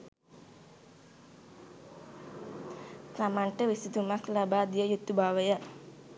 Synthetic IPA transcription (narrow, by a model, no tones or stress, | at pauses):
k̪amaɳʈəʋisit̪umaklabad̪ijəjut̪ːubaʋəjə